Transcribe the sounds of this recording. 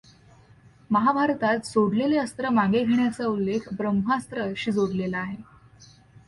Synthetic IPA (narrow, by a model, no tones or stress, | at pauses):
məɦabʱaɾt̪at̪soɽleleəst̪ɾəmãɡeɡʱeɳjat͡saulːekʰbɾəmɦast̪ɾəɕiːd͡zoɽlelaaɦe